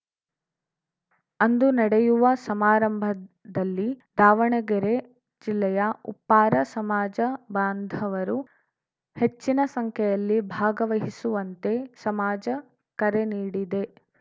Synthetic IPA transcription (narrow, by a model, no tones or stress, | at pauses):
ɐnd̪unɐɽɛjuʋɐsɐmaːɾɐmbʱɐ | d̪ɐlːid̪aːʋɐɳɐɡɛɾe | d͡ʒilːɛjɐṵpːaːɾɐsɐmaːd͡ʒɐbaːnd̪ʱɐʋɐɾu | het͡ʃːinɐsɐŋkʰɛjɐlːibʱaːɡɐʋɐɦisuʋɐnt̪e̞sɐmaːd͡ʒɐ | kɐɾeniːɽid̪e̞